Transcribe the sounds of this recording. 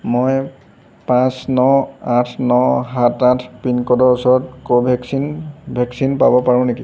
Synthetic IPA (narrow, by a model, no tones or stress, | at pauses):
moj | pãsnɔãtʰnɔɦãtãtʰpinkɔdɔɹɔsɔɹɔtkobʱɛksinbʱɛksinpa̰bɔpaɹʊ̃neki